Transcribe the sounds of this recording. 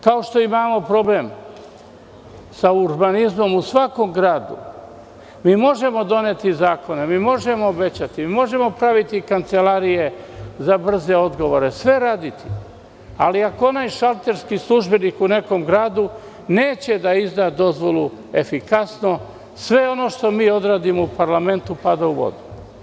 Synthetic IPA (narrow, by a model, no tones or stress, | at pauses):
kao̞ʃt̪o̞imaːmo̞pɾo̞bleːm | sauɾbanizmo̞musʋako̞mɡɾaːd̪ṵ | miːmo̞ʒe̞mo̞d̪o̞net̪izaːko̞ne̞miːmo̞ʒe̞moːbe̞t͡ɕat̪imimo̞ʒe̞mo̞pɾaʋit̪ikant̪se̞laɾije̞zabr̩ze̞o̞d̪ɡo̞ʋo̞ɾe̞sʋe̞ɾaːd̪it̪i | aliakoonajʃalt̪e̞ɾskislˠuʒbe̞nikune̞ko̞mɡɾaːd̪u | ne̞ːt͡ɕe̞d̪aizd̪ad̪o̞zʋo̞lˠue̞fikasno̞ | sʋe̞o̞no̞ʃt̪o̞miːo̞d̪ɾaːd̪imo̞upaɾlame̞nt̪upad̪auʋo̞̰d̪u